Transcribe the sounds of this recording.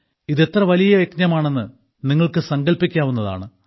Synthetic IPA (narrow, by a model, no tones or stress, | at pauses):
iðe̞t̪rɐʋɐlijɐʋeknɐmaːɳe̞nːɨ | niŋːɐɭkɨsɐŋɡɐɭpikʲːaːʋunːɐða̰ːɳɨ